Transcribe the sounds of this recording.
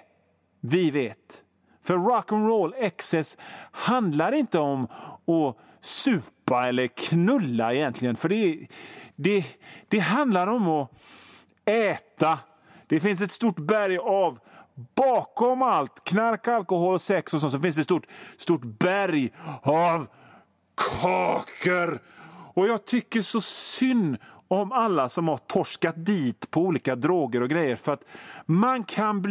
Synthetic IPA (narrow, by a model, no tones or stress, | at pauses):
vɪveːt̪ | fœɾːɔkənɾolɛksɛshand̪laɾɪnt̪əɔmɔ | sʉ̟ːpaɛlːəɾkʰnɵlːaɛjɛnt̪ʰlɪɡənfœɖɛ | d̪ɛd̪̥ɛɦand̪laɾɔmɔ | ɛːt̪a | d̪̥ɛfɪns̬ɛt̪st̪ʊʈbæɾjavb̥ɑːkɔmalt̪kʰnaɾkalkɔhɔlɔsɛksɔsɔnsɔfɪnsd̪ɛt̪st̪uʈst̪uʈbæɾjav | kʰɑːkʰəɾɔjɑːɡ̚t̪ʰʏkːəʂɔsʏnːɔmalːasɔmhaʈʰɔʂkat̪̚d̪iːt̪pʰɔuːliːkad̪ɾoːɡəɾɔɡɾɛjːəɾfœɾat̪mankʰanb